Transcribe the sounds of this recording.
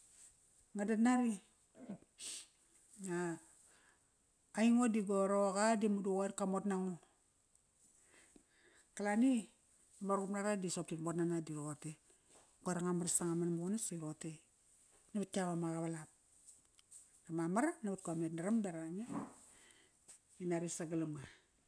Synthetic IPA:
ŋadatnaɾi | ŋa | iŋodiɡoɾokadimuduɣoerkamotnaŋo | kalani | amaɾupnaɾadisop̚timotnanadioɣote | ɡoeɾaŋamaɾsaŋamanamukonasaɾote | nabat̚kaβamaɣaβalap̚ | ɾamamaɾanabat̚kometnaɾamdaɾaɲa | inaɾisaɡalama

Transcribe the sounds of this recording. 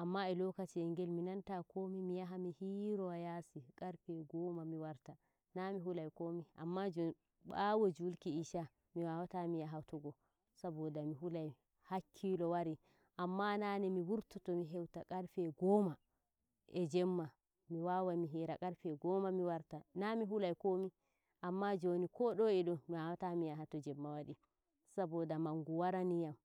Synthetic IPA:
ʔamːaɛlɔkat͡ʃiɛŋɡɛlminantakʰomimijaɦamihiɾɔajasikʼaɾfɛɡɔmamiwaɾta | namiɦulajkomiʔa̰mːad͡ʒɔ | bawod͡ʒulkiiʃa | miwawatamijaɦatɔɡɔ | sabɔdamiɦulaj | hakʰːilɔwaɾi | ʔamːananɛmiwuɾtɔtɔmiɦɛwtakʼaɾfɛɡɔma | ʔɛd͡ʒɛmːa | miwawamiɦiɾakʼaɾfɛɡɔmamiwaɾtanamiɦulajkomi | ʔamːad͡ʒonikɔɗɔɛɗɔmiwawatamijaɦatɔd͡ʒɛmːawaɗi | sabɔdamaŋɡuwaɾanijam

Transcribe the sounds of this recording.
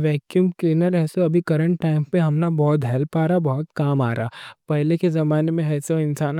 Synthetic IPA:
ʋɛːkjuːmkliːnəɾɛːsoɐbʱikɐɾə̃ɳʈːaːɪmpẽɦɐmnabɔːt̪ɦɛːlpaːɾabɔːʊt̪kaːmaːɾaːpɛɦlekezɐmaːnemẽɦɛːsoɪnsaːn

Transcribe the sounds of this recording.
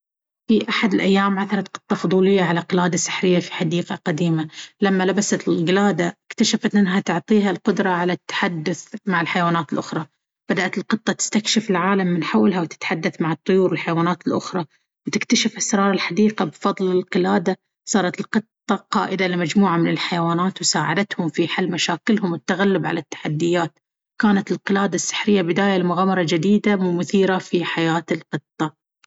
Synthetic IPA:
fiʔaħad̪ɪlʔajːaːmʕaθɑɾˤɑt̪̚qɨ̥t̪ˤːɑfʊd̪ˤuːlɪjːaʕalaqɪlaːd̪asɪ̥ħɾɪjːafi̥ħad̪iːqɑqad̪iːmalamːalabasat̪ɪlɣɪlaːd̪aɪkt̪aʃafat̪ʔɪnːɦat̪ʊʕt̪ˤiːɦalqʊd̪ɾˤɑʕalat̪ːḁħad̪ːʊθmaʕɪlħajwaːnaːt̪ɪlʔʊxɾˤɑ | b̥ad̪aʔat̪ɪlqɨt̪ˤːɑt̪ɪ̥st̪akʃɪfɪlʕaːlamːɪnħawːalɦawt̪ɪ̥t̪ħad̪ːaθmaʕɨt̪ˤːʊjuːɾwɪlħajwaːnaːt̪ɪlʔʊxɾˤɑ | wt̪ɪkt̪aʃɪfʔasɾˤɑːɾˤɪlħad̪iːqabfɑðˤlɪlqɪlaːd̪a | sˤɑːɾˤɑt̪ɪlqɨt̪ˤːɑqɑːʔɪd̪alɪmad͡ʒmuːʕamɪnɪlħajawaːnaːt̪wsaːʕad̪at̪hʊmfiħalːmaʃaːkɪlhʊmwɪt̪ːaɣalːɪbʕa̰lat̪ːḁħad̪ːɪjːaːt̪ | kaːnat̪ɪlqɨlaːd̪asːɪ̥ħɾɪjːabɪd̪aːjalɪmʊɣaːmɑɾˤɑd͡ʒɪd̪iːd̪amʊθiːɾafiħajaːt̪ɪlqɨt̪ˤːɑ

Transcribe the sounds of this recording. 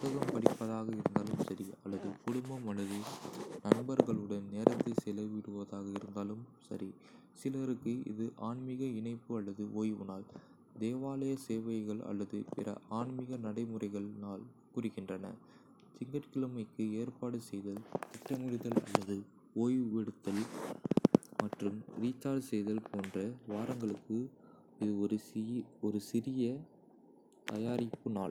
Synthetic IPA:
ɐɣɐɭɯmpɐɽɪpːɐðaːɣɐɪɾɯnd̪aːlɯmsɐɾiɐlːɐðɯkʊɽʊmbɐmɐɭɐðɯnɐnbɐɾɣɐɭɯɽɐnneːɾɐt̪ːɯsɪlɐʋɪɽɯʋɐðaːɣɐɪɾɯnd̪aːlɯmsɐ̰ɾi | sɪlɐɾɯkːɯɪ̰ðɯʔaːɳmɪɣɐɪnɐɪpːɯɐlːɐðɯʔoːjʊ̰naːl | d̪eːʋaːlɐjɐseːʋɐjɣɐɭɐ̰lːɐðɯpɪɾɐ̰aːɳmɪɣɐnɐɽɐɪmɯrɐɪɣɐɭnaːl | kuːrɯɣɪndrɐnɐ̰ | sɪŋɡɐʈkɪlɯmɐɪkːɯeːrpaːɽɯsɛjðɐlt̪ɪʈrɐmʊɾɪðɐlɐ̰lːɐðɯ | oːjʋɛɽɯt̪ːɐl | mɐʈrɯmɾiːt͡ʃːaːɾsɛjðɐlpoːndrɐʋaːɾɐŋɡɐɭɯkːɯ | ɪðɯ | ɔɾɯsɪɾɪjɐ | t̪ɐjaːɾɪpːɯna̰ːɭ

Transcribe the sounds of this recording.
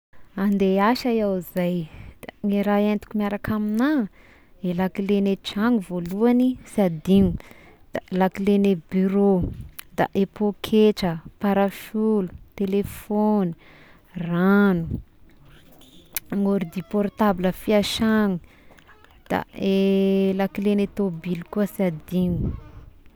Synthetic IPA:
and̪eaʃajawizajd̪̥aŋiɾaent̪i̥kumiaɾakʰamina | elakileneʈ͡ʂaŋuvoluanisad̪iŋu | d̪̥alakilenebyɾod̪̥a̰ʔepokʰeʈ͡ʂəpaɾafulut̪elefoni | ranu | ŋoɾid̪ipɔrt̪abiləfiaʃaŋu | d̪̥a̰elakilenet̪obilikuəsad̪iŋu

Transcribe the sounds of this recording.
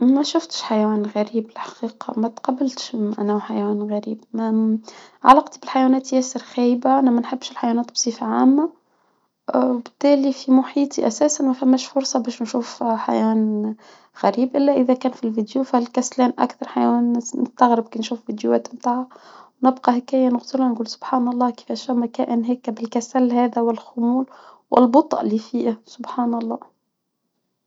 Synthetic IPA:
mæʃʊft̪ʃħajwæːnɣæɾiːbɪlħḁqiːqɑ̰mæt̪qɑbɪlt̪ʃʔænæwħajwæːnɣæɾiːbm | ʕa̰lːɑqt̪ibɪlħajwæːnæːt̪jæːsəɾxæːjbaʔænæmænħəbːʃɪlħajwænæːt̪̚bsˤiːfaʕaːmːa | wbɪ̥t̪ːæːlifimʊħiːt̪ˤiʔæsæːsanmæfæmːæːʃfʊɾsˤɑbæːʃnʃuːfħa̰jæːn | ɣæɾiːbʔɪlːæʔɪðækæːnfilvid̪jufælkæslæːnʔa̰kθɑɾˤħajænnɪst̪aɣɾɪb̚kiːnʃuːfvid̪juæ̰ːt̪mt̪aːʕawnɪbqɑɦɪkæːjːænɪɣt̪ʊɾhanɡuːlsʊbħaːnɑlˤːɑːkɪ̥fæːʃhæmækæːʔɪnɦæːkːæbɪlkæsælhæːd̪æwɪlxʊmuːl | wʔɪ̰lbʊt̪ˤʔlifiːʔsʊbħaːnɑlˤːɑː

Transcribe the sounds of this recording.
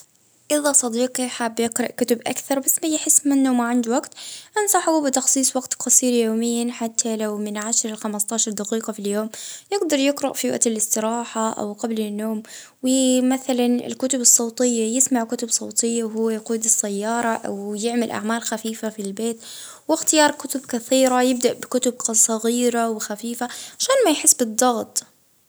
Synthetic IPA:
ʔɪðasˤɑd̪iːqiħaːbːjɪqɾˤɑʔkʊt̪ʊbʔa̰kθɑɾˤbasːmajħɪsːmɪnːumaʕand̪waɡt̪ʔansˤɑħbɪt̪ɑxsˤiːsˤwaɡt̪qɑsˤiːɾjoːmɪjːanħat̪ʰːalawmɪnʕaʃɾˤɪlxamast̪aːʃɑɾˤd̪aqiːqɑfiljoːmjɪɡd̪ɑɾˤjɪqɾɑʔfiwa̰ʔt̪ɪlɪst̪ɪɾɑːħaʔa̰wqablɪnːoːm | wɪmaθalanɪ̰lkʊt̪ʊbɨsˤːɑwt̪ˤɪjːajɪsmaʕkʊt̪ʊbsˤɑːt̪ˤɪjːawɦʊwːajquːd̪ɪsːajːɑːɾˤɑʔa̰wjɪʕmɪlʔa̰ʕmaːlxafiːfafilbeːt̪ | wɪxt̪ɪjɑːɾˤkʊt̪ʊbkaθiːɾajɪb̚d̪aʔbɪkʊt̪ʊb̚qsˤɑɣiːɾawɪxafiːfaʕaʃaːnmajħɪsːbɨd̪ˤːɑɣt̪ˤ

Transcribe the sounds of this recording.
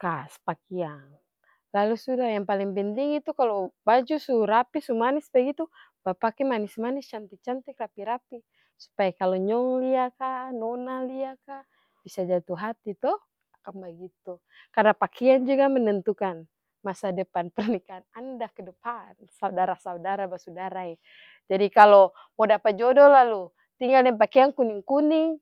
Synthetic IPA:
kaspakiaŋ | lalusudajaŋpaliŋpɛnt̪iŋit̪ukalobad͡ʒusuɾapisumanisbaɡit̪u | bapakɛmanɪsmanɪst͡ʃant̪ik̚t͡ʃant̪ikrapiɾapi | su̥pajakaloɲɔŋliakanonaliaka | b̥isad͡ʒat̪uɦat̪it̪ɔ | akanbaɡit̪u | kadapakʰɛand͡ʒuɡamənənt̪ukan | masadəpanpərnikanandakədəpansaudaɾasaudaɾabasudaɾaɛ | d͡ʒadikalo | modapad͡ʒɔdɔlalu | t̪iŋɡaldɛmpakɛaŋkuniŋkuniŋ

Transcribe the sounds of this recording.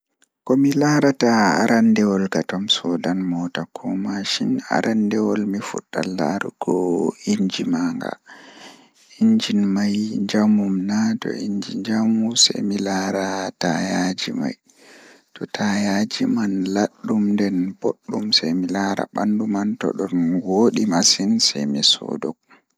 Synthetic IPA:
kɔmilaːɾataaɾandɛwɔlɡatamsɔdanmɔtakʰɔmaʃina̰ɾʔandɛwɔlmifṵɗːa̰lːaɾuɡɔiɲd͡ʒimaŋɡa̰ | iɲd͡ʒinmajd͡ʒamumnatɔ̰iɲd͡ʒḭɲd͡ʒamusajmilaɾatajad͡ʒima̰j | tɔtʰajad͡ʒimanlaɗːumndɛnboɗːumsajmilaɾa̰ɓandumantɔ̰ɗɔnwoɗimasinsajmisɔ̰dɔk̚

